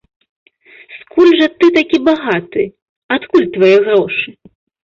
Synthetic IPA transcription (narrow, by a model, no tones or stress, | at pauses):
skʰulʲʐɐt̪ɨt̪akʲibaɣat̪ɨ | at̪kulʲt̪vajɛɣrɔʂɨ